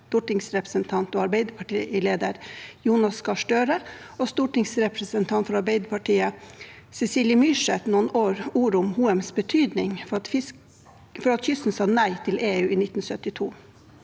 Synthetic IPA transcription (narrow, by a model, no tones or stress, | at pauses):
t̪uːʈɪŋsɾɛpɾə̥sənt̪ʰɑnt̪oːɑɾbeɪd̪əpʰɑʈḭːɪleːd̪əɾjuːnɑskɑʂʈøːɾə | oːst̪uːʈɪŋsɾɛpɾəsənt̪ʰɑnt̪fɔɾɑɾbeɪd̪əpʰɑʈiːə | sɛsiːljəmyːʂɛt̪nuːnoːɾuːɾʊmhuːɛmsbət̪ʰyːd̪nɪŋ | fɔɾɑt̪çʏst̪n̩sɑːnæɪt̪ʰɪleːʉːiːnɪt̪ːn̩sœt̪ːɪt̪ʰuː